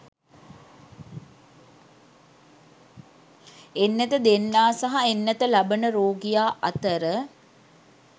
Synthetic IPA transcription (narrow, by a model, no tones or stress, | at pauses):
enːət̪əd̪enːaːsaɦaenːət̪əlabənəɾoːɡijaːʔɐt̪əɾə